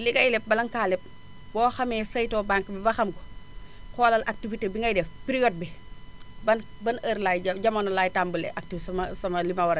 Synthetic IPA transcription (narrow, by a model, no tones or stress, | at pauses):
likɐjlɛp̚bɐlɐŋkaːlɛp̚ | bɔːxɐmɛːsɐjtɔːbaŋkːbibɐxɐmkɔ̥ | kɔːlɐlʔak̚tifitebiŋɡɐjdɛfpiɾijɔːd̚bi | bɐn | bɐnəɾlajɐɟɐmɐnɔlaːjtaːmbulɛ̰ʔak̚tifsɐmɐsɐmɐlimɐwɐɾɐ